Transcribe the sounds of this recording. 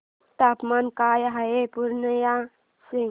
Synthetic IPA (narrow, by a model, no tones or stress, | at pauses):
t̪apmankaːjɦɐepuɾnəja | siŋ